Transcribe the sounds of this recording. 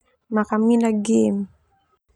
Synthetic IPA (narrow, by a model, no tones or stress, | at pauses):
makaminaɡem